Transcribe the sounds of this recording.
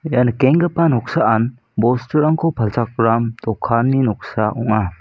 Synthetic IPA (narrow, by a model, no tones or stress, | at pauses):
janakeŋɡəpanɔk̚saʔan | bɔstəɾaŋkʰɔpʰɐlsak̚ɾamt̪ɔkʰːanːinɔk̚saʔɔŋa